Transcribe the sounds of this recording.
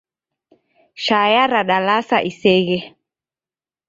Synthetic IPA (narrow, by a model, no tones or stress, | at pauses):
ʃajaɾaɗalasaʔisɛɣɛ